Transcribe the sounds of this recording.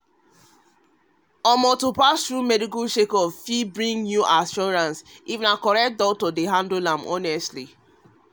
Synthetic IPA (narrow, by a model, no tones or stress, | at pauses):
ɔmɔtopastɾumɛdikuʃekɔffibɹĩŋnuʔaʃɔɹãnsiṽnakɔɾɛt̚dɔk̚tɔdeɦãndolãmʔɔ̰nɛstli